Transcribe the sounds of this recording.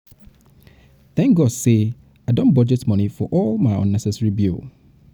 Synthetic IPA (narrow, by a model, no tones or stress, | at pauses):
θɛ̃ŋk̚ɡɔd̥se | adõnbɔd͡ʒɛtmʌ̃nifɔʔɔlˠmaɪɔ̰̃nːɛsɛsɹibil